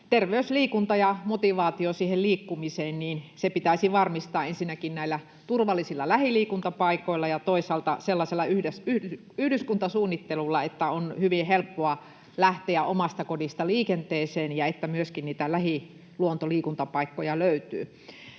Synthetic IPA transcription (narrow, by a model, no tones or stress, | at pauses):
t̪erʋeysliːkunt̪ɑjɑmot̪iʋɑːt̪iosiːhelliːkːumiseːnniːnsepit̪æisiʋɑrmist̪ɑːensinːækinnæilːæ | t̪urʋɑlːˑisilːɑlæhiliːkunt̪ɑpɑikoilːˑɑjɑt̪oisɑlt̪ɑ̰selːɑselːɑyhdesyhy | yhdyskunt̪ɑsuːnːit̪ːelulːɑet̪ːæonhyʋihelpːoɑ | læht̪eæʔomɑst̪ɑkodist̪ɑliːkent̪eːseːnjɑet̪ːæmyøskinniːt̪ælæhi | luont̪oliːkunt̪ɑpɑikːojɑløyt̪y̰ː